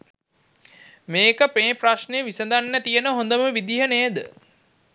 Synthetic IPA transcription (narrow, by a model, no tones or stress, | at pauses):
meːkəpeːpraʃnejʋisəd̪anːət̪ijənəɦond̪əməʋid̪iɦəneːd̪ə̰